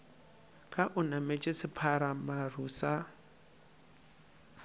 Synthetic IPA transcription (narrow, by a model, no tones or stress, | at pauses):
kʼaʔʊnamet͡ʃʼɪsɪpʰaɾamarusa